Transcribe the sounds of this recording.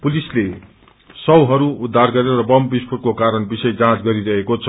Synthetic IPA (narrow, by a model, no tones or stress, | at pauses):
pulisle | sʌwɦʌɾuud̪ʱːarɡʌɾeɾʌbʌmbispʰuʈ̚kokaɾʌnbisʌjd͡zãt͡sɡʌɾiɾʌɦekot͡sʰʌ